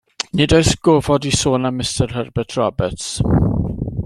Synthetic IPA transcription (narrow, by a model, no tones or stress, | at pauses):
nɪdojsɡ̥oːvɔdisoːnamɪstɛrɦərbɛtʰrɔbɛts